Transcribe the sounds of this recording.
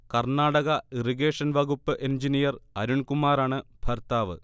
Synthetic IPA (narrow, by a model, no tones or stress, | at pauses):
kɐrɳaːɽɐɣɐiriɣeːʂɐnʋɐɣupːɨʔend͡ʑinijɐrɐɾuɳkumaːɾaːɳɨb̥ʱɐrt̪aːʋɨ̰